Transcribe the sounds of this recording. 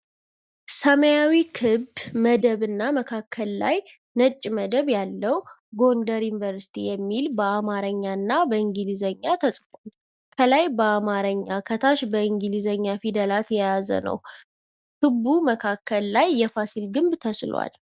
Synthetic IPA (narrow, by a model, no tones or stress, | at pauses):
səməjawikʰɨbməd̪əβɨnːaməkʰakːəlla̰j | nət͡ʃʼːməd̪əβjalːəw | ɡo̞ndəɾjunvəɾsi̥t̪ʰijɛmːilbəamaɾəɲːanːabəɨŋɡɨlizəɲːat̪ʰəsʼfom | kʰəlajbəamaɾəɲːakʰət̪ʰaʃbəɨŋɡɨlizəɲːafid̪əlat̪jɛjazə̰nə̰w | kʰɨbːuməkʰakːəlːajːɛfasilɡɨmbt̪ʰəslwa̰l